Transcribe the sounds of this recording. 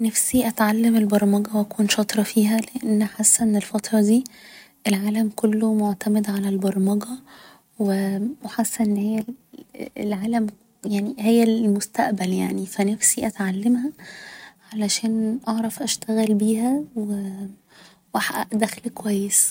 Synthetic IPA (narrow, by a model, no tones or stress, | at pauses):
næfsiʔæt̪ʕalːemelbɑɾˤmɑɡæwʔækuːnʃɑt̪ˤɾˤɑfiːɦæleʔenːħasːæʔenːelfɑt̪ɾˤɑd̪iː | ʔelʕaːlæmkolːomoʕt̪æmed̪ʕalælbɑɾˤmɑɡæ | weweħasːæʔenːhejːæl | lʕaːlæm | jaʕnihejːælmost̪æʔbæljaʕnifænæfsiʔæt̪ʕalːemhæ | ʕalæʃæːnʔɑʕɾˤɑfʔæʃt̪æɣælbiːhæwe | wʔæħʔæʔd̪æxlikowæjːes